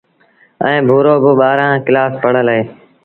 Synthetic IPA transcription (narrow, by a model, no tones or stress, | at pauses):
ə̰̃ːbʱuːɾoːbʊɓaːɾãːkɪlaːspəɽ̤əlɦeː